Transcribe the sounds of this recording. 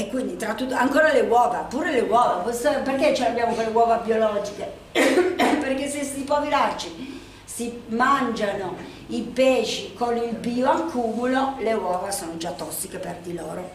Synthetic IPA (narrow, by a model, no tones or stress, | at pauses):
ekːwind̪it̪ɾat̪ːut̪ːaŋkoːɾalewɔːvapːuːɾelewɔːvaposeperket͡ʃiabjaːmokolːewɔːvabiolɔːd͡ʒike | perkesːesipɔvilart͡ʃi | simand͡ʒano | ipeːʃikonilbiːoakʰːuːmulolewɔːvasoːnod͡ʒat̪ːɔsːikeperd̪ilɔːɾo